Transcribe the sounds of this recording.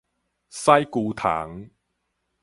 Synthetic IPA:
sɐ˥jkuː˧t̪ʰa̰ː˨˩˦ŋ

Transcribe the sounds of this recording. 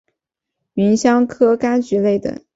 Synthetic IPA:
mi˧˥ŋɕjɑ˥ŋkʰɤ˥ka˥nt͡ɕy˧˥le˥˩ɪd̪ə̰˨˩

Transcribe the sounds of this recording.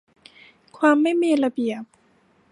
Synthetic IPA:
kʰwaː˧mːa˥˩jmiː˧la˧bi˨˩əp̚

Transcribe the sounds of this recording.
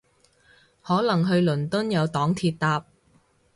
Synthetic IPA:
hɔː˨˥lɐ˨˩ŋɦɵ˧ɥlɵ˨˩nt̪ʊ˥njɐ˨˧wt̪ɔː˨˥ŋt̪ʰiː˧t̚t̪aː˧p̚

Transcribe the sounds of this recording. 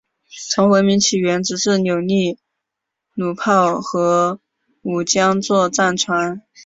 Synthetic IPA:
t͡sʰɤ˧˥ŋxwə˧˥nmi˧˥ŋt͡ɕʰi˨˩ɥɛ˧˥nʈ͡ʂɻ̩˨˩ʂɻ̩˥˩njo˨˩ʊni˥˩ | nu˨˩pʰɑ˥˩ʊxɤ˧˥ | u˨˩t͡ɕjɑ˥ŋt͡swɔ˥˧t͡sa˥˩nʈ͡ʂʰwa˧˥n

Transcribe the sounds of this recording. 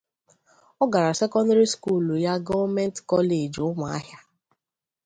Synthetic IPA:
ɔ˦ɡa˨ɾa˨se˦kɔ˦nda˦ɾi˦sku˦˨lja˦ɡɔ˦mɛ˦n˦tkɔ˦le˨d͡ʒʊ˦mʷa˨a̰˦ɦja˦

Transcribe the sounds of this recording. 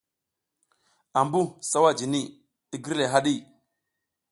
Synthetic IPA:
a˨mbu˦sa˦wa˦d͡ʒi˨ni˦˨ | i˦ɡi˦ɾle˨ɦa˦ɗi˦˨

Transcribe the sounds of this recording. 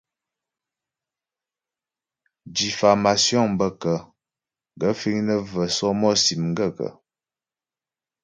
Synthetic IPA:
di˨fa˨ma˨sjɔ˦ŋm˨bə˦kə˨ | ŋ˨ɡə˨˦fi˦ŋnə˦və˨sɔ˦mɔ˦si˨mŋ̩˦ɡə˦˨kə̰˨

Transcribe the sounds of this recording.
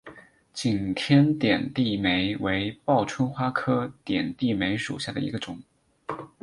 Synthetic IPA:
t͡ɕi˨˩nt̪ʰjɛ˥nt̪jɛ˨˩nt̪i˥˩me˧˥ɪwe˧˥ɪpɑ˥˩ʊʈ͡ʂʰwə˥nxwa˥kʰɤ˥t̪jɛ˨˩nt̪i˥˩me˧˥ɪʂṵ˨˩ɕja˥˩d̪ə̰˩ḭ˧˥ɡə˧ʈ͡ʂʊ˨˩˦ŋ

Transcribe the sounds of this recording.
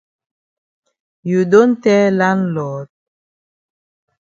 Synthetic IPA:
ju˨do˦n̩˦tɛ˦la˦nlɔ˨˦t̚

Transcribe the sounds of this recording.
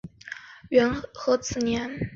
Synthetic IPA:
ɥɛ˧˥nxɤ˧˥t͡sʰɹ̩˨˩njɛ˧˥n

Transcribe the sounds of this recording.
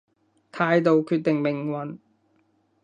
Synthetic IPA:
t̪ʰaː˨˧jt̪o˨wkʰyː˧t̚t̪ɪ˨ŋmɪ˨ŋwɐ˨n

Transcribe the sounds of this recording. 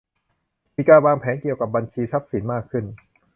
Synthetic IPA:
miː˧kaː˧nwaː˧ŋpʰɛː˩˦nki˨˩əwka˨˩p̚ba˧nt͡ɕʰiː˧sa˦˥p̚si˩˦nmaː˥˩kʰːɯ˥˩n

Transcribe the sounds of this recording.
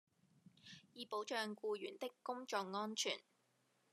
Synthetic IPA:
jiː˨˧po˨˥wt͡ʃœː˧ŋkuː˧jyː˨˩nt̪ɪ˥kːʊ˥ŋt͡ʃɔː˧k̚ŋɔː˥nt͡ʃʰyː˨˩n

